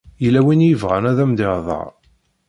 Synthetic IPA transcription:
jəlːæwinjəvʁænæðæmd̪əɾðˤɑ̰

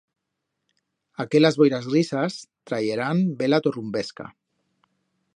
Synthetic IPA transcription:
akelazβojɾazɣrisast̪ɾajeɾambelat̪orumbeska̰

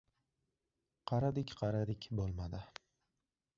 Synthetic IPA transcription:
qʰɑɾad̪ɪkʲqʰɑɾad̪ɪkʲbolˠmad̪ɪ

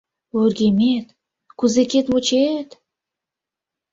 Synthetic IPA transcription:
oɾɡʲemet̪ | kuzekʲet̪mot͡ʃʰet̪

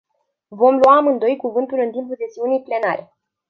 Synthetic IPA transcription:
vo̞mluamɨnd̪o̞jkuvɨnt̪ulɨnt̪impuld̪e̞siunijple̞naɾe̞

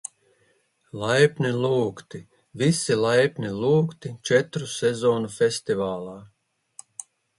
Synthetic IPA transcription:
lˠajpʲnʲilˠuːkt̪i | visilˠajpnʲilˠuːkt̪it͡ʃɛt̪ɾusɛzoːnufʲɛsʲt̪ivaːlˠaː

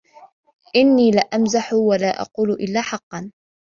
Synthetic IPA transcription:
ʔɪnːiːlaʔamzaħʊwalaːʔɑ̰quːlʔɪlːaːħɑqːɑn

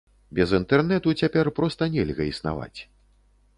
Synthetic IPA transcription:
bʲɛzint̪ɛrnɛt̪ut͡sʲapʲɛrpɾɔst̪ɐnʲɛlʲɣɐisna̰va̰t͡sʲ

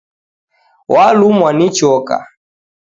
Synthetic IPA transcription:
walumwanit͡ʃɔka̰

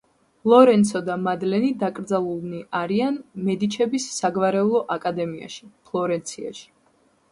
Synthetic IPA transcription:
lˠɔɾɛnt̪sɔd̪amad̪lɛnid̪akʼɾd̪zalˠulˠniʔaɾianmɛd̪it͡ʃʰɛbisːaɡvaɾɛulˠɔʔakʼad̪ɛmia̰ʃi̥pʰlˠɔɾɛnt̪sʰia̰ʃi̥

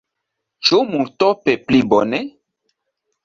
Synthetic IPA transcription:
t͡ʃumunt̪ɔpeplibɔne

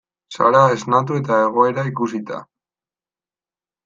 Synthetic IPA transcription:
sa̰ɾae̞znat̪̬ue̞t̪ae̞ɣ̞o̞e̞ɾaikusit̪a̰

